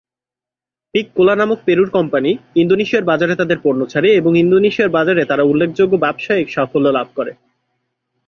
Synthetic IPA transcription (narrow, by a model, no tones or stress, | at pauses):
pikːolanamok̚peɾuɾkɔmpaniind̪oniʃijaɾbad͡ʑaɾet̪ad̪eɾpoɾnot͡ɕʰaɾieboŋind̪oniʃiaɾbad͡ʑaɾet̪aɾaulːekʰd͡ʑoɡːobɛbʃaikʃafolːolab̚ʱkoɾe